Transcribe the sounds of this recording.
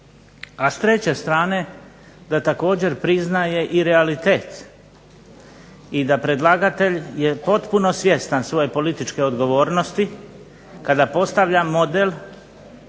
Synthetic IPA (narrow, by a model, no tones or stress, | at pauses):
ast̪ɾe̞t͡ɕe̞st̪ɾaːne̞ | d̪at̪ako̞ːd͡ʑe̞ɾpɾiznaje̞ʔiɾealit̪eːt̪ | id̪apɾe̞d̪lˠaɡat̪e̞ʎje̞po̞t̪puno̞sʋje̞st̪ansʋo̞je̞po̞lit̪it͡ʃke̞o̞d̪ɡo̞ʋoːɾno̞st̪i | kad̪apo̞st̪aʋʎamo̞d̪el